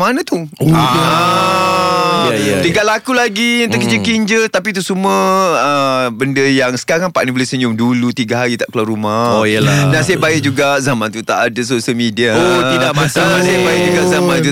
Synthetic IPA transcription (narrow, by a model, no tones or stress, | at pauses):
manãt̪ua | t̪iɡalakulaɡiant̪əkəɲd͡ʒəkiɲd͡ʒət̪ap̬it̪usuməəbəndəjaŋsə̥kaɾaŋpaʔnĩbolesəɲʊŋdulut̪iɡaɦaɾit̪aʔkluaɾumajəldansajaʔbaɪʔ̚d͡ʒuɡaʔzamãnt̪ut̪a̰ʔadəs̬osəlmidiaoidaʔmasasəjaʔbaɪʔd͡ʒuɡazamãnt̪u